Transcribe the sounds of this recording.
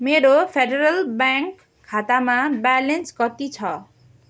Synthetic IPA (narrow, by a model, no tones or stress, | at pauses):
meɾopʰeɖeɾʌlbaŋkʰː | at̪amabalenskʌt̪it͡sʰʌ